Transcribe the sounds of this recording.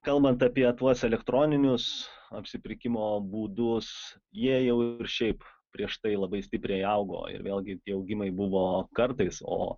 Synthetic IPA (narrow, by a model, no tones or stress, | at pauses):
kɐlˠbɐnt̪ɑpʲiɛt̪uɔsɛlʲɛkt̪ɾoːnʲɪnʲʊsɐpʲsʲɪpʲɾʲɪkʲɪmoːbuːd̪ʊs | jiɛjɛʊɪɾʃʲɛɪp | pʲɾʲiɛʃt̪ɐɪlˠɐbɐɪsʲt̪ʲɪpʲɾʲɛɪɐʊɡo̰ːɪ̰ɾʋʲeːlˠʲɡʲɪt̪ʲiɛɐʊɡʲɪmɐɪbʊʋoːkɐrt̪ɐɪso̰ː